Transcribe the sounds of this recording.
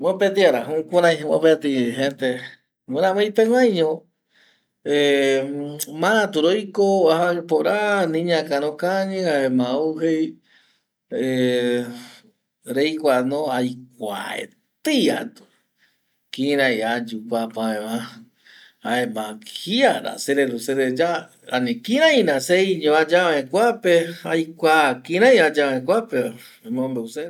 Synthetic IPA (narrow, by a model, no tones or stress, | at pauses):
wõpet̪iaɾaɦũkʷaɾãjwõpet̪iɦẽnt̪e | weɾãβajpeŋãjɲõ | e | mããt̪uɾojkoahapoɾanĩɲãkaɾõkaɲɨ̃aemãuɦej | e | ɾejkʷanõajk̚ʷa̰ḛ | t̪ɨa̰t̪u̥ | kĩɾ̃ãjad͡ʒupapãẽβã | aemãhiaɾa̰seɾeɾuseɾed͡ʒa | a̰nĩkĩɾãjnãseiɲõad͡ʒaβẽkʷapeajkʷakĩɾãj̃ad͡ʒaẽkʷape | mõmbeuse